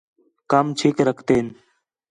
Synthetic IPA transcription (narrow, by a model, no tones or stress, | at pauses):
kəmt͡ʃʰiːkɾəkʰt̪eːn